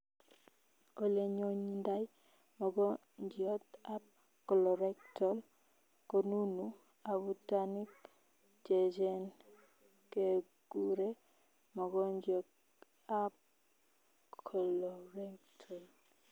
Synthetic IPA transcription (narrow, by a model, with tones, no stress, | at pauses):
o˦le˦ɲo˦ɲi˦nda˦j | mɔ˨ɡɔ˦ | ɲd͡ʒi˨ɔ˦t̪a˦p̚ | kɔ˨lɔ˨ɾɛ˦ktɔ˨l | ko˨nu˦nu˦ | a˨βu˦ta˦ni˦p̚ | t͡ʃe˨d͡ʒɛ˦n | ke˨ | ɡ̥u˦ɾe˦ | mɔ˨ɡɔ˦ɲd͡ʒɔ˨k | a˦p̚ | kʰɔ˨lɔ˨ɾɛ˦ktʰɔ˨l